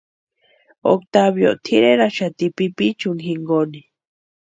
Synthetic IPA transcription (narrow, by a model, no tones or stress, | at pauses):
o̰kt̪aβjo̰ʔt̪ʰiɾeɾaʃat̪ipipit͡ʃuŋɦiŋɡoni